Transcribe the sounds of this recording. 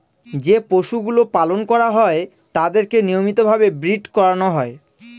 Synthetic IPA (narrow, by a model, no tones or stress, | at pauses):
d͡ʑepoʃuɡulopalonkɔɾaɦɔe | t̪ad̪eɾkenijomit̪obʱabebɾiɖkɔɾanoɦɔe